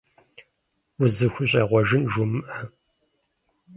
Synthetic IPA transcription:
ʊzɨxʷʊɕʼɐʁʷɔʒɨnʒʊmɨʔɐ

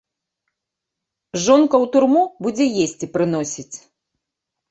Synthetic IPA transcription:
ʐɔnkɐwt̪urmubud͡zʲɛjesʲt͡sʲipɾɨn̪ɔsʲit͡sʲ

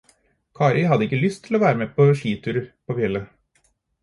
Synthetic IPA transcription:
kʰɑːɾɪɦɑd̪əɪkːəlʏst̪ʰːɪloːʋæːɾəmeːpʰoʂiːt̪ʰʉːɾəpʰoːfɛlːə

